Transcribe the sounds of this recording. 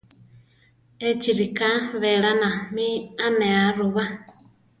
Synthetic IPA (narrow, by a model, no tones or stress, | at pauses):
et͡ʃiɾikaβɛɺanãmĩanɛaɾuβa